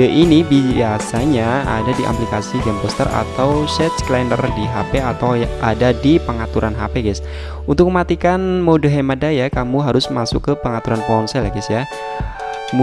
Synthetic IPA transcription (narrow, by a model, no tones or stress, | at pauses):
əʔinibiasaɲaa̰dadiʔa̰plikasiɡɛmpɔst̪ə̰ra̰t̪awsɛt̪̚sklɛndərdiɦapeat̪awʔadadipəŋat̪uɾʔanɦa̰peɡɛs | unt̪ʊk̚məmat̪ikanmodəɦemadajakamuɦaɾʊsmasʊkːəpəŋat̪uɾanpɔnsɛlaɡɛsja | m